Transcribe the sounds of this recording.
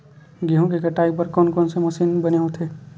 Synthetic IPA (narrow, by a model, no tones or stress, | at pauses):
ɡiɦõkikɐʈaːipəɾkɔːnkɔːnsemɐʃiːnbɐneõt̪ʰeː